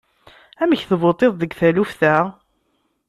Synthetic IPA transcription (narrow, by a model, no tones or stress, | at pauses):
æməçθəvot̪ˤeðˤðəɡθælufθæ